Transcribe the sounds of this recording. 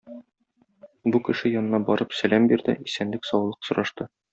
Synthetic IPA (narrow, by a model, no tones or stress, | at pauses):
bukɘ̆ʃɘjɒnɤ̆nɑbɒɾɤpsælæmbiɾd̪ɘ̰isænlɘksɒwlˠɤqsŏɾʔɑʃt̪ɤ